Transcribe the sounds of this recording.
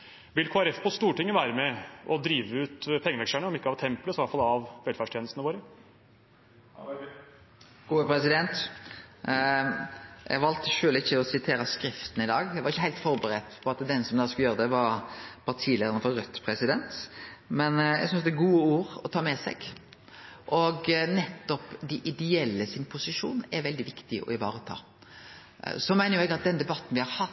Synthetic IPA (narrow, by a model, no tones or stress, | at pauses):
ʋɪlkʰoːæɾɛfpʰɔst̪uːʈɪŋːəʋæːɾəmɛʔɔd̪ɾiːʋəʉːt̪pʰɛŋːəʋɛksæɳəɔmɪkːəɑʋt̪ʰːɛmpləsɔʋɑlt̪fɑlɑʋʋɛlfæʂʈ̪ʰeːnəst̪ənəʋoːɾə | ɡ̥uːəpɾɛsɪd̪ɛnt̪ | jæ̰ʋɑlt̪ʃøːlɪçːəɔsɪt̪ʰeːɾəskɾɪft̪ən̩ɪd̪ɑːɡjæɪʋɑɾɪçːəhæɪlt̪fɔɾbəɾɛt̪pʰɔɑt̪d̪ɛnsɔmd̪ɑːskʉljøːɾəd̪ɛʋɑɾpʰɑɾt̪ʰiːleːd̪ənəfɔɾʁœt̪ːpʰɾɛsɪd̪ɛnt̪mɛnjɛ̰ɡsʏnsd̪ɛæɾɡuːəuːɾɔt̪ʰɑːmɛsɛ̰ɡ | ʔɔɡnɛt̪ːɔpd̪ɪʔɪd̪ɛɛlːəsɪnpʰʊsɪʂuːnɛɾʋɛld̪ɪʋɪkt̪ɪʔɔ̰ɪʋɑːɾət̪ʰɑ̰ː | sɔmæɪnəɾjʊɛɡɑt̪̚d̪ɛnd̪ɛbɑt̪ːn̩ʋɪhɑɾhɑt̪ː